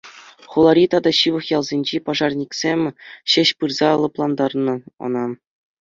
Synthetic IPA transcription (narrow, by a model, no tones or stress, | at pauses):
χulˠɑɾʲit̪ɑd̪ɑɕɯʋɤ̆χjɑlˠzʲenʲd͡ʑepɑʐɑrnʲiksʲemʲɕɘ̆ɕpɯrzɑlˠɤ̆plˠɑnd̪ɑrnɤ̆ɤ̰̆nɑ